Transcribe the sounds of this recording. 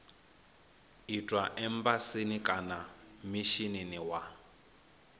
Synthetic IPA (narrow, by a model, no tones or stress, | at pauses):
itʼwaʔɛmbasinikʼanamiʃininiwa